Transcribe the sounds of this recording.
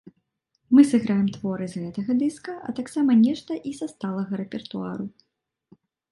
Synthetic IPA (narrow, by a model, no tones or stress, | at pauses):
mɨsɨɣɾajɛmt̪vɔɾɨzɣɛt̪ɐɣɐd̪ɨskɐʔɐ̰t̪aksamɐnʲɛʂt̪ɐʔizast̪alˠɐɣɐɾɛpʲɛrt̪ua̰ɾu